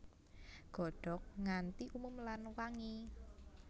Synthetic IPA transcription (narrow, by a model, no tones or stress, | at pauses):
ɡ̥ɔ̤ɖ̥ɔ̤k̚ŋant̪iʔumumlanwaŋi